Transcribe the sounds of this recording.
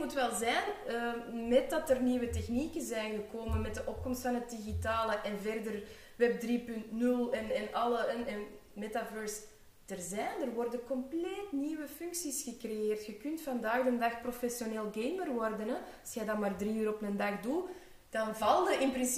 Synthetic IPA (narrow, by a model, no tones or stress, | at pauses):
mutʋɛlˠzɛnəmɛt̚dɑtərniːwətɛxnikənzɛːnɣəkoːmənmɛt̚dəʔɔp̚kɔmstfɑnɦət̚diɣitaːləʔɛnvɛrdər | wɛb̚driːpʏntnʏlˠɛnɛnɑlˠəɛnɛn | mɛtavœːɹs | d̥ərzɛːndərʋɔrdənkɔmpleːtniːwəfʏŋksisxəkrejeːrtxəkʏntfɑndaːɣdəndɑxprofɛsjoneːlˠɡejmərʋɔrdənɛɑsxɛjdɑnmaːrdriːyːɾɔpnəndɑxdu | d̥ɑnvɑlˠdəʔɪnpɾɪns